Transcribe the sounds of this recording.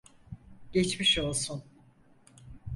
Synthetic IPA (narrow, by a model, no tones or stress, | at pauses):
ɟ̥ɛt͡ʃmiʃo̞lˠsun